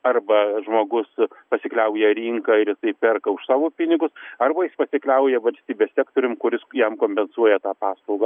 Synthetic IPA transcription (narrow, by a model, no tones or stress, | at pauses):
ɐrbɐʒmoːɡʊspɐsʲɪklʲɛʊjɛɾʲiŋkɑɪɾjɪsɐɪpʲɛrkɐʊʃsɑːʋoːpʲɪnʲɪɡʊsɐrbɐjɪspɐsʲɪklʲɛʊjɛʋɐlʲsʲt̪ʲiːbʲeːssʲæːk̚t̪oːɾʲʊmkʊɾʲɪsjɛmkoːmʲpʲɛnsuɔjɛt̪ɑːpɑːslˠɐʊɡː